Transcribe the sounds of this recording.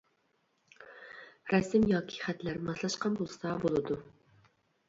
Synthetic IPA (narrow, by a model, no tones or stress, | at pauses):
ɾɛsɪmjɑːkʲʰi̥χæt̪læɾmɑlˠɑʃqɑnbolˠsɑbolˠɨd̪u